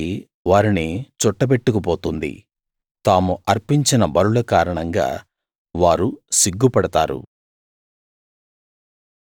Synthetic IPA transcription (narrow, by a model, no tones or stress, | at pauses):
i | ʋaːɾinit͡ʃɔʈːɐp̬e̞ʈːukup̬o̞ːt̪und̪ḭ | t̪aːmuʔɐɾpiɲt͡ʃinɐbɐɾulɐkaːɾɐɳɐŋɡa̰ː | ʋaːɾusiɡːupɐɽɐt̪aːɾṵ